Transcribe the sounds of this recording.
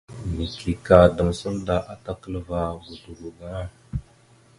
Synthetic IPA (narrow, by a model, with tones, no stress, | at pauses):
mi˨kli˨ka˨da˨m˨sə˦lda˨ʔa˨ta˦kə˦lva˨ɡu˨du˨ɾu˨ɡa˦a˦